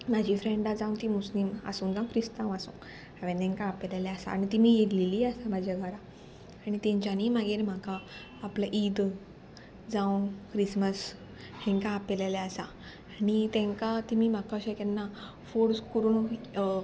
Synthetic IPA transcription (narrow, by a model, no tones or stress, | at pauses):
mad͡ʑʱifɾẽɳɖad͡zãwnt̪imuslimə̰suːnd͡zãũkɾist̪ãwasṵ̃ | aʋẽnt̪ɛ̃ŋkãːpɛlaljasa̰ːɽit̪imiːjedliliːasamad͡ʑʱaɡaɾa | aɽ̃it̪ɛ̃ɲt͡ɕaniːmaɡeɾm̤akaː | plaʔid̪ | d͡zãw̃kɾisməs | hɛ̃ŋkãːpɛlalaasaː | ɽit̪ɛ̃ŋkat̪imiːm̤akaɕakanːa | foɽskuɾun